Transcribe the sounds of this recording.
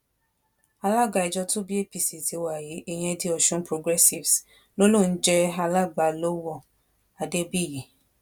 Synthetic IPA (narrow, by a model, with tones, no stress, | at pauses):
a˧la˦˨ɡ͡ba˧˨i˨d͡ʒɔ˧to˦bi˦e˦˨pi˨si˨zi˨˦wa˨ji˨˦e˦˨j̃ɛ̃˧di˧ɔ˧˨ʃũ˧˦pɾo˧ɡɾɛ˦si˨vs | lo˦lo˦˨n̩˦d͡ʒɛ˦a˧la˦ɡ͡ba˨lo˦wɔ˦˨ | a˨de˦bi˦˨ji˨˦